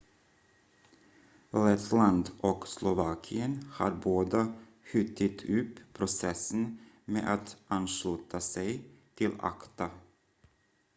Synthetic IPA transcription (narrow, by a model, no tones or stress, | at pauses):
lɛt̪ʰland̪ʔɔkslʊvɑːkʰɪənhɑ̰ɾboːd̪ə | ɧʏt̪ʰːɪt̪ʰʉːpʰːɾʊsɛsːən | mḛːʔat̪anʂlʉːt̪ʰasɛjt̪ʰɪla̰kt̪a